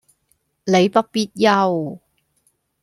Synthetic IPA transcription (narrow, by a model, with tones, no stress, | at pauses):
le˨˧jpɐ˥t̚piː˥t̚jɐ˥w